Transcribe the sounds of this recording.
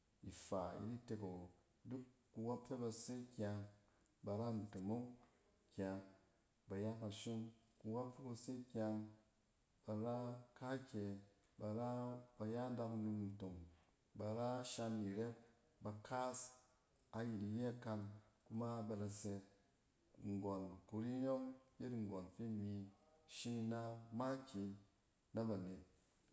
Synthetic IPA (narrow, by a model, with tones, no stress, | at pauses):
i˨fa˨ḭ˨˦ɾi˦te˧ko˨ | du˦kːu˧wa˦pfe˦ba˧se˦kʲa˧ŋ | ba˧ɾa˦n̩˨to˨mo˦ŋ | kʲa˧ŋ | ba˨ja˦ka˧ʃo˦ŋku˧wa˦pfe˦ba˧se˦kʲa˧ŋ | b̥a˧ɾa˦ka˦kʲe˨ | ba˧ɾa˦ba˧ja˦da˧ku˧nu˧mn̩˨to˨ŋ | ba˨ɾa˦ʃa˧nːi˨ɾe˦p̚ | ba˧ka˦s | a˨ji˨ti˨je˦a˦˧ka˧nku˦ma˦ba˧ɾa˧se˧ | ŋ̩˨ɡo˨n˨ku˧ɾi˦jo˦ŋje˦tŋ̩˨ɡo˨nfe˦˨mi˧ʃi˦ni˧na˦ma˦kʲi˧ | na˦ba˨ne˨t̚